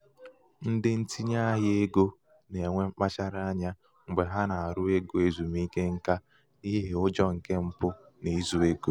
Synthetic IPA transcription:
n̩˦dɪ˦n̩˦ti˦ɲa˦ɦɪ˦e˦ɡo˦ | ne˨ŋʷe˦ŋ͡m̩˦k͡pa˦t͡ʃa˦ɾa˦a˦ɲa˦ | ŋ͡m̩˨ɡ͡be˨ɦa˦na˨a˨ɾʊ˦e˦ɡo˨e˦˨zu˨m˦i˦ke˦ŋ̩˦ka˦ | i˦ɦɦe˨ʊ˦d͡ʒɔ˦ŋ̩˨ke˦m̩˦pʊ˦ | ne˨i˦zu˦e˦ɡo˦˨

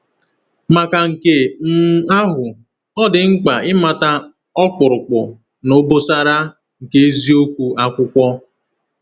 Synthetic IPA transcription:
ma˨ka˨ŋ̩˨ke˨m̩˦˨˦a˦ɦʊ˨ | ɔ˦dɪ˨ŋ̩˦k͡pa˨ɪ˦ma˨ta˦ | ɔ˦k͡pʊ˨ɾʊ˨k͡pʊ˨ | no˦bo˦sa˦ɾa˦ | ŋ̩˨ke˦e˦zi˦o˦kʷu˦ʔa˦kʷʊ˦kʷɔ˦

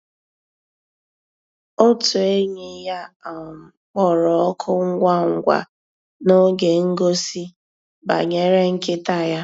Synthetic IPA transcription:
o˦tu˨e˦ɲe˨˦ja˦a˨k͡pɔ˦ɾɔ˨ɔ˦kʰʊ˦ŋ̩˦ɡʷa˦ŋ̩˨ɡʷa̰˨ | no˦ɡe˨ŋ̩˦ɡo˦si˦ | ba̰˨ɲe˦ɾe˦ŋ̩˦kɪ˦ta˦˨ja˦

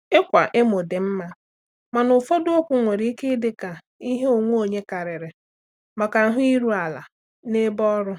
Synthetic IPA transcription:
ɪ˦kʷa˨ʔɪ˦mo˨de˨m̩˦ma˦ | ma˨nʊ˨fo˦do˦o˦kʷʊ˦ŋʷe˨ɾi˦i˦ke˦dɪ˦ka˨ | i˦ɦe˦o˨ŋʷo˦o˦˨ɲe˦ka˨ɾɪ˨ɾɪ˨ | ma˨ka˨˦ɦʊ˦i˦ɾu˦a˨la̰˨ | ne˦bɔ˦ɾʊ˦

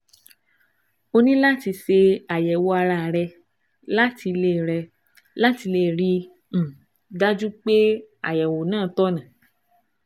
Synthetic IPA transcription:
o˧nĩ˦la˦ti˧se˧a˨jɛ˨wo˧a˧ɾa˧˨ɾɛ˧ | la˦ti˧le˦˨ɾɛ˧ | la˦ti˧le˦˨ɾĩ˧˨ | da˦d͡ʒu˦k͡pe˦a̰˨jɛ˨wo˨nãː˦˨tɔ˦nã˨

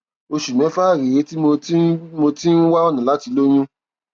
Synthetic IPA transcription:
o˧ʃu˨mɛ̃˨˦fa˦˨ɾi˨ɾe˨˦ti˦mo˧˦mo˧ti˦n̩˦wa˦ɔ˦˨nĩ˨la˨˦ti˧lo˦j̃ũ˦

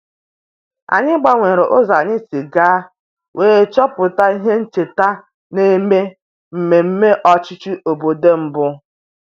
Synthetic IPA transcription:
a̰˨ɲɪ˦ɡ͡ba˦ŋʷe˨ɾo˨ʔo˦za˨ɲɪ˦si˨ɡaː˦ | weː˦t͡ʃɔ˦pʊ˨ta˦i˦ɦe˦n̩˦t͡ʃe˨ta˦ | ne˦me˦ | m̩˨me˨m̩˦me˦ʔɔ˦t͡ʃɪ˦t͡ʃi˦ʔo˨bo˨de˦m̩˦bʊ˦

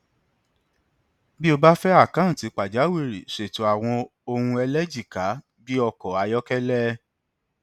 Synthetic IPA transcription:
bi˦o˧ba˦fɛ˦a˦˨kã˨˦˨ti˨˦k͡pa˨d͡ʒa˨˦we˦˨ɾi˨ʃe˨tu˨˦a˨w̃ɔ̃˧o˧hũ˧ɛ˧lɛ˦d͡ʒi˦˨ka˨˦ | bi˦ɔ˧kɔ˨a˨˧jɔ˦kɛ˦lɛ˦

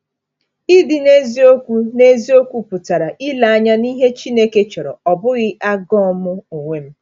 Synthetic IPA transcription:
i˦dɪ˨ne˦zi˦o˦kʷu˦ne˦zi˦o˦kʷu˦pʊ˨ta˨ɾa˨ʔi˦la˨a˦ɲa˦ni˦ɦe˦t͡ʃi˦ne˦ke˦t͡ʃɔ˨ɾɔ̰˨ɔ˨bʊ˦ɣɪ˦ʔa˦ɡɔ˦mʊ˦u˨ŋʷe˦m̩˦

